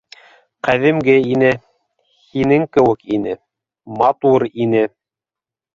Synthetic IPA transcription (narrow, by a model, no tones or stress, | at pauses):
qæðɘ̆mɡɘinɘ | hinɘŋkɘ̆wɘkinɘ | mɑt̪uɾinɘ